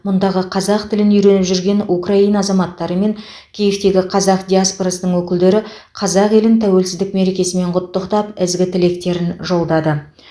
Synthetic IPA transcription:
mʊnd̪ɑʁəqʰɑzɑq̚t̪ʰɪlɪnʏjɾe̞nɪpʒʏɾɡʲe̞nukraijnɑːzɑmɑt̪ːɑɾəme̞ŋ | kʲʰejeft̪e̞ɡʲɪqʰɑzɑqd̪ʲijaspoɾɑsənəɴwɵkʲɪld̪e̞ɾɪ | qʰɑzɑqe̞lɪnt̪ʰæwe̞lsɪzd̪ɪk̚me̞ɾe̞kʲe̞sɪme̞ɴqʰʊt̪ːəqt̪ɑpɪzɡʲɪt̪ʰɪle̞kt̪e̞ɾɪnʒo̞lˠd̪ɑd̪ə

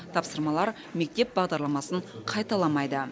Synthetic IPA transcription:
t̪ʰɑpsəɾmɑlˠɑɾ | me̞k̚t̪e̞p̚bɑʁd̪ɑɾlˠɑmɑsəɴqʰɑjt̪ɑlˠɑmɑjd̪ə

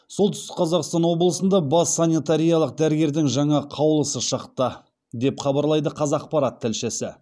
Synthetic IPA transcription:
so̞lˠt̪ʰʏ̥st̪ɪ̥q̚qʰɑzɑqst̪ɑnwo̞blˠəsənd̪ɑbɑsːanʲit̪aɾijalˠəq̚d̪æɾɪɡʲe̞ɾd̪ɪŋʒɑɴɑqʰɑwlˠəsəʃɑqt̪ə | d̪e̞pχɑbɑɾlˠɑjd̪əqʰɑzɑq̚pɑɾɑt̪ʰːɪlʃesɪ

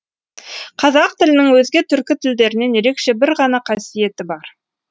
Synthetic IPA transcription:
qʰɑzɑq̚t̪ɪlɪnɪŋwɵzɡʲet̪ʰʏɾkʲɪt̪ʰɪld̪e̞ɾɪne̞nje̞ɾe̞kʃe̞bɪɾʁɑnɑqʰɑsije̞t̪ɪbɑɾ

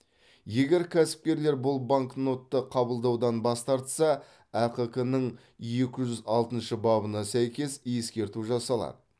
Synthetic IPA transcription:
je̞ɡʲe̞ɾkʲʰæsɪ̥p̚kʲe̞ɾle̞ɾbʊlˠbaŋkno̞t̪ːəqʰɑbəlˠd̪ɑwd̪ɑnbɑst̪ɑɾt̪sɑ | æqəkənəɴ | je̞kʲɪʒʏzɑlˠt̪ənʃəbɑbənɑsæjkʲe̞sje̞skʲe̞ɾt̪uʒɑsɑlˠɑ̰d̪ə

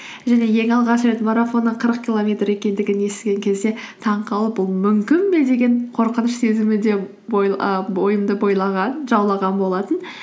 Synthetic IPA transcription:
ʒæne̞je̞ŋɑlˠʁɑʃɾe̞t̪maɾafo̞nːəqʰəɾəq̚kʲilˠo̞mʲe̞t̪re̞kʲe̞nd̪ɪɡʲɪnje̞st̪ɡʲe̞ŋkʲʰe̞zd̪e̞t̪ʰɑɴqʰɑlˠəp̚bʊlˠmʏmkʲɪmbe̞d̪e̞ɡʲe̞ɴqʰo̞ɾqənəʃse̞zɪmɪd̪e̞ | bbo̞jəmd̪əbo̞jlˠɑʁɑnʒɑwlˠɑʁɑnbo̞lˠɑt̪ən

